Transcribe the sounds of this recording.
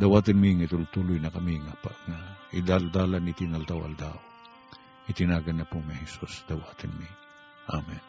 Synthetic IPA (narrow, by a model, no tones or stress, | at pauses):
d̪ɐwaːt̪ɪnmiŋɐit̪ult̪ulʊjnɐkɐmiŋɐpɐ̰ŋɐʔɪd̪ald̪aːlɐnɪt̪inɐlt̪awʔɐ̰ld̪aːʔo | ʔɪt̪ɪnaːɡɐnːɐpʊmɐhɛsusd̪ɐwaːt̪ɪnmi | ʔamɛn